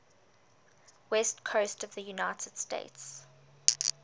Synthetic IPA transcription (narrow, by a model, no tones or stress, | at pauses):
wɛstkʰoʊstəvðəjunaɪtʰəd̥stḛɪts